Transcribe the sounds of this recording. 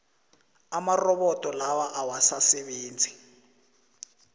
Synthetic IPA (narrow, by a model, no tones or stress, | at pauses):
amarɔβɔtʼɔlawaʔawasasɛβeːnd͡zʱi